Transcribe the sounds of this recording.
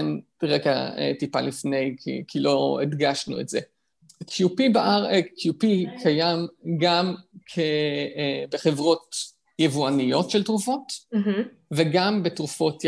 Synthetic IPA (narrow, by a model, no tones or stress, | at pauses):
n | ʁeka̰ḛt̪ipa̰lifne̞jkʰḭkʰilo̞edɡaʃnṵḛtz̥ḛ | kʰjupibaʔaʁekʰjupikʰajamɡamkʰe | beχevʁo̞t̪ | jevuanijo̞tʃeltʁufo̞t̪ | veɡambetʁufo̞t